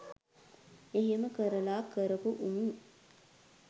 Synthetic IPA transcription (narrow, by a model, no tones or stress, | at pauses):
eɦeməkəɾəlaːkəɾəpuʔumu